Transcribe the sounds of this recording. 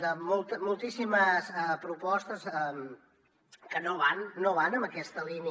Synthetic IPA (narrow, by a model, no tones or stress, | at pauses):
d̪əmolˠt̪əmulˠt̪isiməsəpɾupɔst̪əsəm | kənoβanːoβanəmbəkɛst̪əlini